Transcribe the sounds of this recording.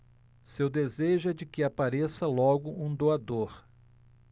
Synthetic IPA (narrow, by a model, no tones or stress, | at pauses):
sewd̪ezeʒʊɛd͡ʒɪkɪapaɾesɐlɔɡʊʔũd̪oad̪oɾ